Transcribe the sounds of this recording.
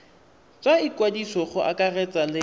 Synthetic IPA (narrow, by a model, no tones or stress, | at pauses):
t͡sʼaikwadisɔχʊʔa̰kʼarɛt͡sʼalɪ